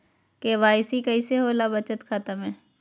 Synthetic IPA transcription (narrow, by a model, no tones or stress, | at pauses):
keʋaːɪsikɐiseɦoːlaːbət͡ʃət̪xʰat̪əmɦɛ̃ː